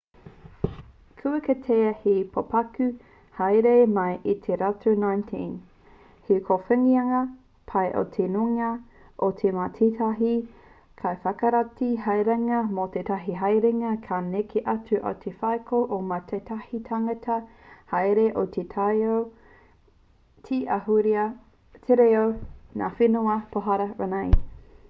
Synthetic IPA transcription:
kʰʉəket̪ʰeɐhepʰopɐkʉ | hɐjɾemɐjʔit̪ʰeɾatonajntʰĩn | hekʰofɛŋiɐŋɐ | pʰɐjʔo̰t̪ʰenuŋɐ | ʔot̪ʰematʰitʰɐɦi | kʰɐjfɐkɐɾatiɦɐjɾɐŋɐmot̪etʰɐɦiɦɐjɾeŋɐkʰanekʰeʔɐtuʔɐ̰wt̪ʰefɐjkʰoʔomat̪ʰet̪ʰɐhitʰaŋɐtʰɐ | hɐjɾeʔot̪ʰetʰajow | tʰiʔɐhuɾiɐ | tʰeɾeowna̰fenuɐpʰoɦɐɾɐɾanɐj

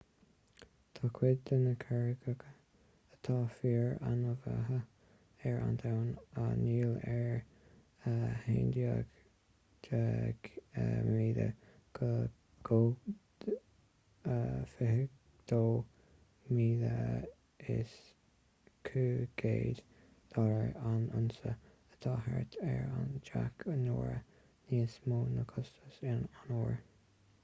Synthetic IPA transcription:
t̪ʰɑːkʰwɪd̪ənəkʰɛɹəɡəɡ | ət̪ʰɑːfiːɹanəva̰ɦə | ɛɹa̰nt̪ʰawnəniːlɛɹ | əheːnd̪jə̰ɡ | ə | əmiːd̪ə̰ɡ̥ | ɡ̥oː | əfɪhək | d̪̥oː | miːdə | ɪs | kʰuːɡ̥eːd̪ | d̪̥ɑɾəɹanʊnsə | ət̪ʰɑɦɛɹt̪ʰɛɹa̰nd͡ʒakʰənoːɹə | niːsmoːnəkʰʊst̪əsɪnanoːɹ

